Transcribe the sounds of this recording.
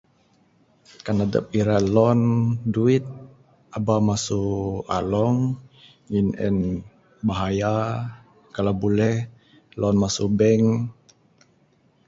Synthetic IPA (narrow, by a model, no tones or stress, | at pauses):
kanada̰p̚iɾalɔnduit̪̚ | ʔabamasua̰lɔŋ | ɲinɛ̰n | baɦaja | kalawbolɛh | lɔnmasubɛŋ